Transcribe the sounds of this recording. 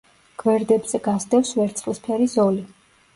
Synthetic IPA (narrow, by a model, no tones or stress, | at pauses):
ɡ̥vɛɾd̪ɛbzɛɡasd̪ɛfsvɛɾt̪sʰʼχʼlispʰɛɾizɔli